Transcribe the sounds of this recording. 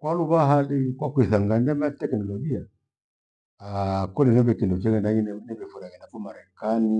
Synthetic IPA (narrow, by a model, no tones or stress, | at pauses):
kwaluβaɦalikwakuiθaŋɡandɛmatɛknɔlɔɡia | akɔlɛnɛbɛkindɔt͡ʃɛɣɛnaɲinɛnɛbɛfuɾaɣɛnakumaɾɛkani